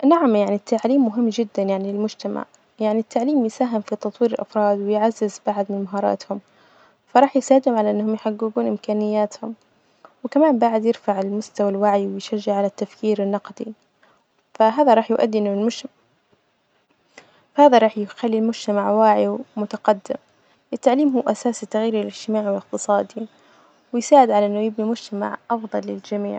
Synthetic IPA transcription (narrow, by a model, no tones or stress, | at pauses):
naʕamjaʕnit̪ʰːaʕliːmːʊɦɪmːd͡ʒɪd̪ːanjaʕnilɪlmʊd͡ʒt̪ama̰ʕ | jaʕnit̪ːaʕliːmjsaːɦɪmfit̪ɑt̪ˤwiːɾɪlʔɑfɾˤɑːd̪wɪjʕazːɪzbaʕad̪mɪnmaɦɑːɾˤɑ̰ːt̪hʊm | fɑɾˤɑːħjɪsaːɪd̪ʊmʕalaʔɪnːhʊmjħaɡːuɡuːnʔɪmkaːnɪjːaːt̪hʊm | wɪkamaːmbaʕɪd̪jɪɾfaʕɪlmʊst̪awalwaʕjwɪjʃaʒːaʕalat̪ːafkiːɾɪnːɑqd̪i | faɦaːðaɾˤɑːħjʔa̰d̪ːiʔɪnːʊlʊ | fahaːðaɾˤɑːħjɪxalːilmʊd͡ʒt̪amaʕwaːʕimʊt̪aqɑd̪ːɪ̰m | ʔɪt̪ːaʕliːmɦuːʔasaːsɪt̪ːaɣjiːɾilɪd͡ʒt̪ɪmaːʕwɪlɪq̚t̪ɨsˤɑːd̪i | wɪjsaːʕɪd̪ʕalaʔɪnːʊjɪbnimʊd͡ʒt̪ama̰ʕʔɑfðˤɑlːɪld͡ʒamḭːʕ